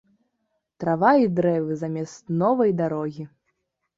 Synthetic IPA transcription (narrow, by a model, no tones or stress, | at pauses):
t̪ɾavaid̪ɾɛvɨzɐmʲɛst̪nɔvɐjd̪aɾɔɣʲi